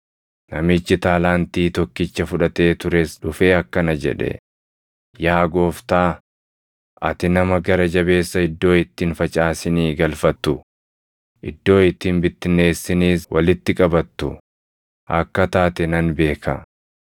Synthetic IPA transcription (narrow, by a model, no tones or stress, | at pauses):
nɐmɪt͡ʃːɪt̪aːlaːnt̪iːt̪ɔkːɪt͡ʃːɐfʊᶑɐt̪e̞ːt̪ʊɾesᶑʊfe̞ːɐkːɐnɐd͡ʒɛ̰ᶑɛ̰ | jaːɡo̞ːft̪aː | ʔɐt̪ɪnɐmɐɡɐɾɐd͡ʒɐbe̞ːsːɐɪd̪ːo̞ːɪt̪ːiːnfɐt͡ʃʼaːsɪniːɡɐlfɐt̪ːʊ | ʔɪ̰d̪ːo̞ːɪt̪ːiːnbɪt̪ːɪne̞ːsːɪniːswɐlɪt̪ːɪkʼɐbɐt̪ːʊ̰ | ʔɐkːɐt̪aːt̪ɛnɐnbe̞ːkʰɐ̰